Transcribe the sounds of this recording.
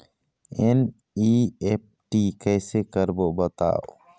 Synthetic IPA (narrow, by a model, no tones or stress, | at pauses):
ɛn | iep̚ʈikɛjsɛkəɾbɔʔbət̪a̰ʔ